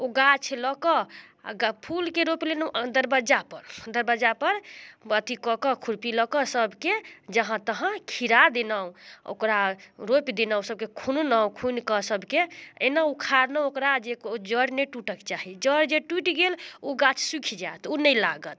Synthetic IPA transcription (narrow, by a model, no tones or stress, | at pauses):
oɡat͡ʃʰləkɔ̰ɡpʰulkeɾoplenɔd̪əɾbəd͡ʒapəɾd̪əɾbəd͡ʒapəɾbət̪ikɔkɔkʰuɾpiləkɔsəbʱked͡ʒəɦãt̪əɦãkʰiɾad̪enawo̰kɾaɾopid̪enaw̃səb̚kekʰunnaw̃kʰunkɔsəbʱkeenaukʰaɾneokɾad͡ʒekod͡ʒəɾneʈuʈəkt͡ʃaɦid͡ʒəɾd͡ʒeʈuʈiɡeloɡat͡ʃʰsukʰid͡ʒaet̪unəjlaɡət̪̚